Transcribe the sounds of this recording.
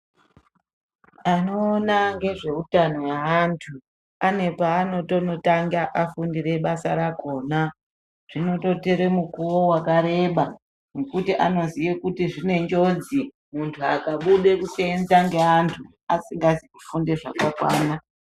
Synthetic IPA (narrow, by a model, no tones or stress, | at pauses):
ano̞ːnaŋɡe̞ʐe̞utano̞jaːntʰu | ane̞paːno̞to̞no̞taŋɡaʔafundire̞ɓasaɾako̞ːna | ʐ̥ino̞to̞teɾe̞mukuwowakaɾe̞ɓa | nokutiʔa̰no̞zijekutiʐine̞ɲd͡ʒo̞d͡zi | muntʰuakaɓuɗe̞kuseenzaŋɡe̞antʰu | asiŋɡazikufundeʐakakwaːna